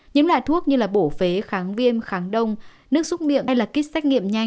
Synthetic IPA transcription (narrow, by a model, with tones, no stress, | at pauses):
ɲə˨˦nla̰ː˧˨jt̪ʰu˦˥ək̚ɲɨ˧laː˨˩ɓo˧˩fe˨˦xaː˨˦ŋvi˧ənxaː˨˦ŋɗə˧wŋ͡m | nɨ˦˥ək̚sʊ˦˥t̚mḭ˧˨ən˧jlaː˨˩ki˦˥t̚sɛ˦˥jk̚ŋḭ˧˨əmɲa˧˩